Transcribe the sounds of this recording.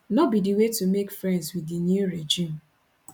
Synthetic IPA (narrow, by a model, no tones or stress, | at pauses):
nɔbidiwetumekfɹɛ̃ndzwiðinjuɹed͡ʒĩm